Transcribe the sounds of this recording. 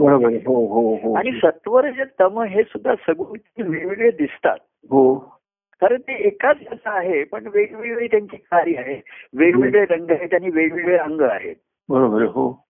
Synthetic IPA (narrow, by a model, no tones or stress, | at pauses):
bəɾobəɾeɦoɦoɦoaɽ̃isət̪ʋəɾd͡ʑət̪əməɦesud̪ʱːasəɡut̪niʋeɭʋiɭʋəd̪ist̪a̰t̪̚ | ɦo | kaɾəɳt̪eːkat͡sd͡ʑasəːɦepəɳʋeɭʋeɭʋiːt̪jaɲt͡ɕiːkaɾiːaɦeʋeɭʋiɡɭeɾəŋɡaɦet̪jañiːʋeɭʋiɭɭeəŋɡəa̰ɦḛt̪̚ | bəɾobəɾeɦo